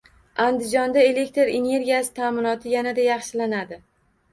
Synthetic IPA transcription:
and̪ɪd͡ʒɒnd̪ae̞le̞k̚t̪eɾene̞ɾɡʲijasɪ̥t̪ʰaːmɪnɒt̪ʰɪjanad̪ajɑχʃɪlanad̪ɪ

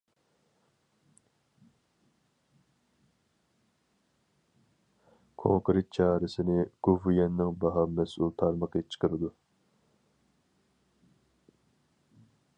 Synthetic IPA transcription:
kʰo̰ŋkɾɪt̪̚t͡ʃʰɑːɾɨsɪnɪɡ̥uvujɛnːɪŋbɑɦɑmɛsulˠt̪ʰɑɾməqət͡ʃʰə̥qəɾɨd̪u

